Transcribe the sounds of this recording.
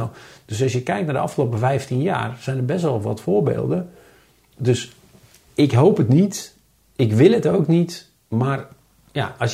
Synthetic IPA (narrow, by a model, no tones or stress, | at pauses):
d̥øsɔsjəkɛjk̚tnadəʔɑ̰fxəloːpəvɛjftinja̰ːrsɛjndərbɛstʋɔlˠʋɔtfʊːrbḛːlˠdə | døs | ɪkɦowpətnit | ɪkʋɪlˠətowknit | mar | ja̰ʔɔs